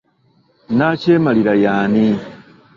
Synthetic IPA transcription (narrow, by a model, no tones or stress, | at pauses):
naceːmaliɾajaːni